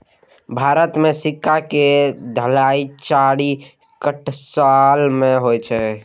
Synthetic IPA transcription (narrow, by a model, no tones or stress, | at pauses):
bʱaɾət̪mesikːaked̪ʱəlait͡ʃaɽi | kəʈʰsalmeɦojt͡ʃʰɛ